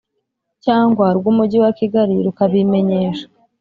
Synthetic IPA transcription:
caːŋɡwaɾɡumuɟiwakiɡaɾiɾukaβime̞ɲe̞ːʃḁ

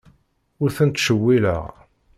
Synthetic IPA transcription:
ʊɾθənt̪ːʃəwːilə̰ʁ

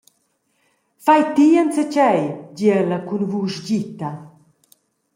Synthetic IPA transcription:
fajt̪iːənt͡sɛt͡ɕɛjd͡ʑiɛlakunvuʃɟit̪a

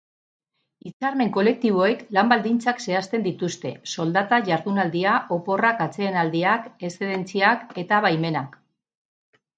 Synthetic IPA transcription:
it͡saɾme̞ŋko̞le̞k̚t̪iβ̞o̞e̞klambald̪int͡sakse̞ast̪e̞nd̪it̪ust̪e̞so̞ld̪at̪aʝaɾðunald̪iaʔo̞po̞rakat͡se̞ːnald̪iake̞seðe̞nt͡siake̞t̪aβajme̞nak

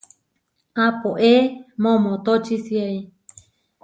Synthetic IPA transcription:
apoʔemõmõt̪ot͡ʃisiai

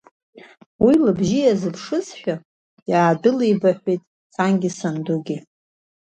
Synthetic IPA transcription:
wilɨbʒijazɨpʰʂɨsħᶣa | jaːdɨlejbaħʷᶣejtʼ | sʰanɡʲisanduɡʲi

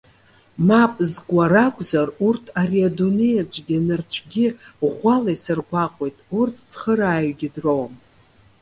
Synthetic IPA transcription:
mapʼzkʷʼaɾakʷʼzarurtʰaɾiadune̞jat͡ʃʷʼɡʲinɨrt͡ʃʷʰɡʲɪʁʷalajsɨrɡʷaqʷʼo̞jtʼurtʰt͡sʰχəɾaːjɡʲɪdrowm

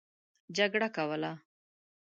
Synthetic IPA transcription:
d͡ʒaɡɽakawəla

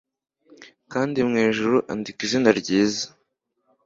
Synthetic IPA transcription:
kaːndimŋeːʒuɾuʔa̰ndikiʒinaɾɟiːzḁ

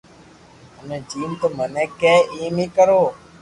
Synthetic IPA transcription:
əmẽːd͡ʒiːnt̪oːmənɛːkeːiːmĩːkəɾoː

